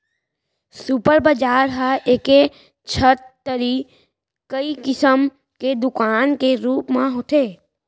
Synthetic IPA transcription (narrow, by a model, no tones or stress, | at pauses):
supəɾbəd͡ʒaːɾɦəʔeːke | t͡ʃʰət̪ːəɾi | kəikɪsəm | ked̪ʊkaːnkeɾuːpmãɦoːt̪ʰeː